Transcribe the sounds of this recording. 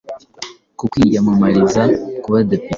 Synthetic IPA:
kukwijamamaɾizakuβadepi

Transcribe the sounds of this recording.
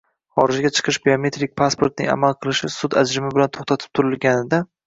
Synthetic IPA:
χɒɾɪd͡ʒɡʲat͡ʃʰɨ̥qʰɨʃbeome̞t̪ɾik̚ʲpʰaspʰoɾt̪nɪ̰ŋa̰malˠqʰɨlˠɪʃɪsʊd̪a̰d͡ʒɾɪmɪbɪlant̪ʰoχt̪ʰat̪ʰɪ̥p̚t̪ʰʊɾɪlɡʲanɪd̪a

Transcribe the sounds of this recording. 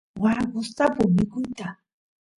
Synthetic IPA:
waɾkʊst̪apʊmɪkʊnt̪a

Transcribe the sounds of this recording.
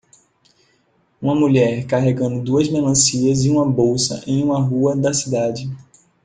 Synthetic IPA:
ũmɐmuʎɛɾkaɦeɡɐ̃nd̪ʊd̪uɐzmelɐ̃siɐziũmɐbowsɐ̰ʔẽj̃ũmɐɦuɐd̪ɐsid̪ad͡ʒɪ

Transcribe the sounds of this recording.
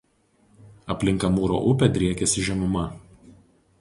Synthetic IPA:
ɐpʲlʲɪŋˑkɐmuːɾo̰ːʔʊpʲɛd̪ʲɾʲiɛkʲɛsʲɪʒʲɛmʊmɐ

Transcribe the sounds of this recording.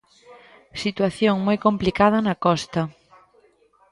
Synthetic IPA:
sit̪waθjoŋmojkõmplikað̞ɐnakɔst̪ɐ

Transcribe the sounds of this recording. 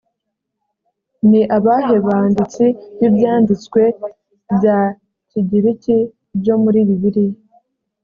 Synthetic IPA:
niʔaβaɦe̞βaːndit͡sijibjaːndit͡skwe̞ | bja | ciɟiɾici | ɾɟo̞muɾiːβiβiɾije

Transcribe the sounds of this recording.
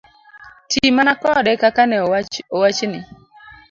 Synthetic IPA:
tʰimanakɔdɛkakanɛowat͡ʃnɪ

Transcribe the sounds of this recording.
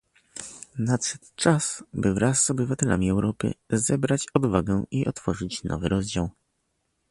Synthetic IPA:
nat̪sɛ̥t̪t͡ʂasbɘvɾasːɔbɘvat̪ɛla̰mʲiɛwɾɔpɘ̰zɛbɾat͡ɕɔd̪vaɡɛiʔɔt̪fɔʐɘt͡ɕnɔ̰vɘɾɔzd͡ʑaw

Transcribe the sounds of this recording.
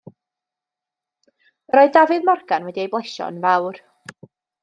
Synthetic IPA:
əɾɔɨðdavɨðmarɡanwɛdiejblˠɛʃɔ̰nvawr

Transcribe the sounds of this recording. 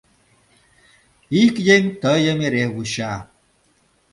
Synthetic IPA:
ikjeŋt̪əjəmiɾewuɕa

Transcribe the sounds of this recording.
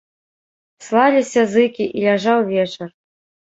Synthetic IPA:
slˠalʲisʲɐzɨkʲiʔilʲaʐawvʲɛt͡ʂɐr

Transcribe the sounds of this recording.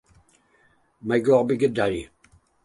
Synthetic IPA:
majɡɔʁbiɡədaj

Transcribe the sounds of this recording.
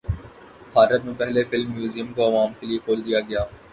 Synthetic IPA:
bʱaːɾət̪̚mẽpɛɦlefɪlmːjuːzijəmkoɐʋaːmkeliekʰoːld̪ijaɡɐjaː

